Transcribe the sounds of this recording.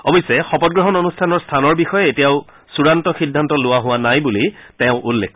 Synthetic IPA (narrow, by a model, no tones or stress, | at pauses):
ɔbɔjsɛxɔpɔt̚ɡɹɔɦɔnonustʰanɔɹstʰanɔɹbixɔjɛetijaʊ | suɹantɔxidʱːantɔlʊwaɦʊwanajbuliteʊ̃ʔulːḛkʰ